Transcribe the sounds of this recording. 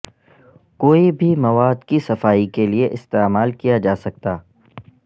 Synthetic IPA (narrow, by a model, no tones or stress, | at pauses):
koːibʱimɐʋaːd̪kisɐfaːikelieʔɪst̪eːmaːlkijad͡ʒaːsɐk̚t̪aː